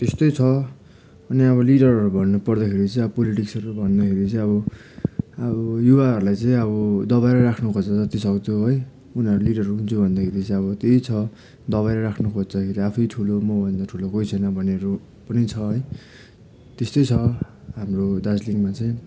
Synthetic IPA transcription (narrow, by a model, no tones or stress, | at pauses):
t̪est̪ʌjt͡sʰʌ | ʌniʌβʌliɽʌrʌɾubʱʌnːupʌrd̪akʰeɾit͡sj̃ʌbʌpoliʈiksʌɾubʱʌnd̪akʰeɾit͡sʌ̃ĩʌβʌ | ʌbʌjuβaɦʌɾulajt͡sʌĩʌβʌd̪ʌβaɾʌɾakʰnukʰʌd͡zʌd͡zʌt̪isʌkd̪joɦʌj | unʌɾuliɽʌruɦunt͡sʰubʱʌnd̪akʰeɾit͡sʌĩʌβʌt̪ejt͡sʰʌ | d̪ʌβajɾʌɾakʰnukʰot͡sd̪akʰeɾiapʰʌjʈʰulomʌbʌnd̪ʌʈʰulokojt͡sʰʌnʌbʱʌneɾu | pʌnit͡sʰʌɦʌj | t̪est̪ojt͡sʰʌ | ɦamrod̪ad͡zliŋmat͡sʌj̃